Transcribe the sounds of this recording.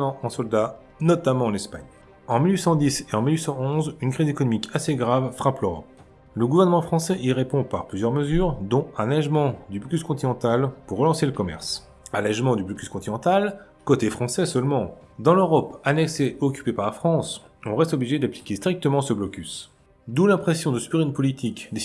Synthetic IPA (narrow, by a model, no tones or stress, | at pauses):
ɑ̃ʔɑ̃sɔld̪a | nɔt̪amɑ̃ɑ̃nɛspaɲ | ɑ̃milɥisɑ̃d̪iseɑ̃milɥisɑ̃ɔ̃zynkχizekɔnɔmikʰaseɡʁavfχapløʁɔ̰p̚ | ləɡuvɛʁnəmɑ̃fχɑ̃sɛʔiʁepɔ̃paʁplyzjœʁməzyʁd̪ɔ̃ãlɛʒmɑ̃d̪yblɔkʲyskɔ̃t̪inɑ̃t̪alpuʁːəlɑ̃seləkɔmɛ̰ʁs | alɛʒmɑ̃d̪yblɔkʲy̥skɔ̃t̪inɑ̃t̪al | kot̪efχɑ̃sɛsœlmɑ̃ | d̪ɑ̃løʁɔpanɛkseɔkʲy̥pepaʁlafχɑ̃sɔ̃ʁɛst̪ɔbliʒed̪aplikʲest̪χik̚t̪əmɑ̃səblɔkʲys | d̪ulɛ̃pχesjɔ̃d̪əsypiʁynpɔlit̪ʰikd̪e